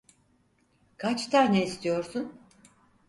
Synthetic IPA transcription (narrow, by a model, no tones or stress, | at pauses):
kʰat͡ʃt̪ʰaɾneist̪ʰijo̞ɾsun